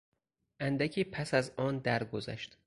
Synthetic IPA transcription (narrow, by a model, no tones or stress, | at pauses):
ʔænd̪æcʰiːpʰæsæzɒːnd̪æɾɡozæ̰ʃt̪